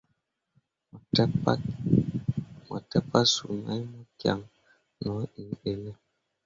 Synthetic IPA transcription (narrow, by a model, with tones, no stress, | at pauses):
tp | mɔ̰˨tɛ˦pa˦su˨na̰˨˦jmɔ˦kja̰˨ŋ | nɔ˨˦i˨e˨lɛ˦